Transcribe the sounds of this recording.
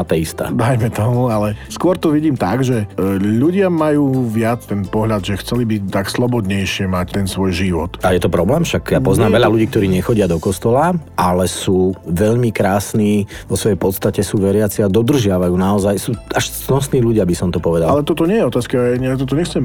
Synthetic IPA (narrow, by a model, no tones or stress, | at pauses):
at̪ɛist̪a̰d̪ajmɛt̪ɔmualɛskʊɔɾt̪ɔʋiɟiːmt̪aɡʒɛʎuɟɪamajuːʋɪat͡st̪ɛnpɔɦʎad̪ʒɛxt͡sɛlibit̪akslˠɔbɔd̪ɲɛjʃɪɛmact̪ɛnsʋɔjʒiʋɔt̪ajɛt̪ɔpɾɔblɛːmfʃakjapɔznaːmʋɛʎaluɟiːk̚t̪ɔɾiːɲɛxɔɟɪad̪ɔkɔst̪ɔlaʔalɛsuːʋɛʎmikɾaːsniːʋɔsʋɔjɛjpɔt̪st̪acɛsuːʋɛɾɪat͡siad̪ɔd̪r̩ʒɪaʋajuːnaɔzajsuːaʃznɔsniːʎuɟɪabisɔmt̪ɔpɔʋɛd̪allɛt̪ɔt̪ɔɲɛjɛɔt̪aːskaaɲɛakt̪ɔt̪ɔɲɛxt͡sɛm